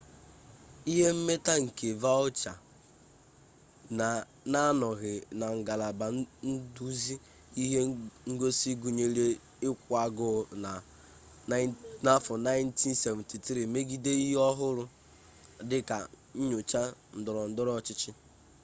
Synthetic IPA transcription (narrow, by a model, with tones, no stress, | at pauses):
i˦ɦe˦m̩˦me˦ta˦ŋ̩˨ke˨va˦ʊ˦t͡ʃa˨ | na˨ | na˦nɔ˨ɣɪ˨na˨ŋ̩˨ɡa˨la˨ba˨˦n̩˦du˦zi˦ | i˦ɦe˦ŋ̩˦ɡo˦si˦ɡu˨ɲe˦le˦ | ɪ˦kʷa˨ɡʊ˦˨na˨ | na˦fʊ˨na˦ɪ˦n̩˦ti˦n˦se˨vti˨tɾi˨me˦ɡi˦de˦i˦ɦɔ˦ɦʊ˦ɾʊ˦ | dɪ˦ka̰˨ | ɲ̩˦ɲʊ˨t͡ʃa˦n̩˨dʊ˨ɾɔ˨n̩˦dʊ˦ɾɔ˦˨t͡ʃɪ˦t͡ʃɪ˦